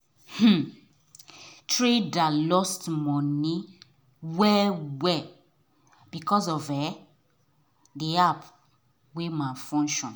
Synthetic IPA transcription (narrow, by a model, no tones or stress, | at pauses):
h̩ | tɹedalɔstmɔni | wɛwɛ | b̥ikɔzɔvɛ | deap | wemafɔ̃ŋʃɔ̃n